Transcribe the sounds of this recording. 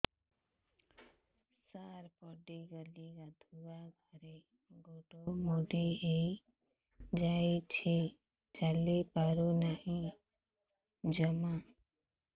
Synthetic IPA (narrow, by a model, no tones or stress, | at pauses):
saɾpɔɖiɡəliɡad̪ʱuaɡʱɔɾe | ɡoʈomoɖiej | d͡ʒaet͡ʃʰe | d͡ʒalepaɾonaɦĩ | d͡ʒəma